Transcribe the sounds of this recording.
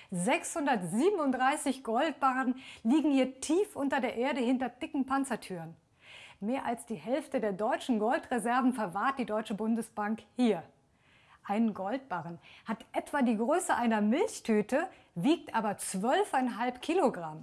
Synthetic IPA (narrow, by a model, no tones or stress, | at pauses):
zɛkshʊndɐtz̥iːbəmnʊntd̥ʁaɪsɪçɡ̥ɔlt̚b̥aʁənliːɡŋ̩hiːɐtʰiːfʔʊntɐdeːɐʔeːɐɾəhɪntɐd̥ɪkŋ̩pant͡sɐtʰyːʁən | meːɐʔalsd̥iːhɛlftədeːɐdɔʏt͡ʃn̩ɡɔltʁezɛɐvn̩fɛɐvaːɐt̚d̥iːdɔʏt͡ʃəbʊndəsb̥aŋkhiːɐ | ʔaɪnənɡɔlt̚b̥aʁənhatʔɛtv̥aːdiːɡʁøːsəʔaɪnɐmɪlçtʰyːtə | viːk̚tʔaːbɐt͡sv̥œlfaɪnɦalpkʰiːloɡʁam